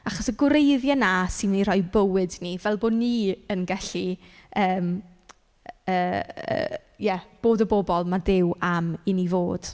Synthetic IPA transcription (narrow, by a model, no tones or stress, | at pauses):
aχɔsəɡwɾejðjanasɪnnirɔjbəwɨdnivɛlˠboːdniːənɡɛɬi | əːm | əːə̰ː | jɛb̥oːdəbɔbɔlˠmadɪwaminivoːd̥